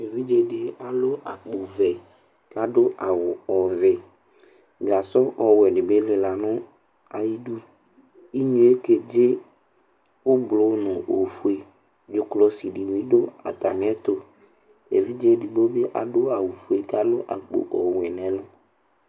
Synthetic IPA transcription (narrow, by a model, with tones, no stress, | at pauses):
e˨vi˦d͡ʒe˦dɪ˨a˨lʊ˦ʔa˨k͡po˨vɛ˨ | ka˦dʊ˦ʔa˨wʊ˨ɔ˨vɛ˨ | ɡa˨sɔ˦ʔɔ˨wɛ˨ɖɪ˨be˦lɪ˨la˨nʊ̃˦ | a˨ji˦du˦ | i˦ɲ˦e˦ke˨d͡ʒɪ˦ | wʊ˦blʊ˨˦nʊ̃˨ʔo˨fu˦e˨ | d͡ʒʊ˦klɔ˦si˨ɖi˨wĩ˦do˦a̰˨t̪a˨mɪ̃˨˦ɛ˦t̪o˨ | ḛ˨vi˦d͡ʒe˦dɪ˨bo˦be˦ʔa̰˨dʊ˦a˨wu˨fu˨e˨ka˦lʊ˦ʔa̰˨k͡po̰˨ʔɔ˨wɛ˨nɛ̃˨˦lʊ˦